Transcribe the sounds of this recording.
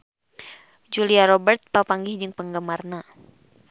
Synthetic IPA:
d͡ʒuliaɾɔbərt̪̚papaŋɡihd͡ʒɨŋpəŋɡəmarna

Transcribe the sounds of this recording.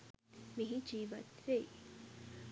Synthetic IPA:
miɦid͡ʒiːʋɐ̰t̪ɾei

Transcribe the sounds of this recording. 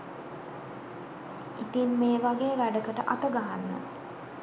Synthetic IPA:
it̪inmeːʋaɡeːʋæɖəkəʈəʔat̪əɡaɦanːə̰

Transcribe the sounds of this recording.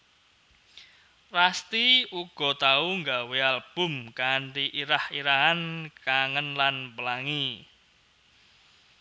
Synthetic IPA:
rast̪iuɡ̥ɔ̤t̪auŋɡawealb̥ʊ̤mkaɳʈiʔiɾahiɾaɦankaŋənlanpəlaŋi

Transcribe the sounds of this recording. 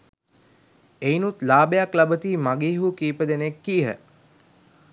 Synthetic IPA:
einut̪laːbejaklabət̪iːmaɡiːɦukiːpəd̪enekːiːɦə̰

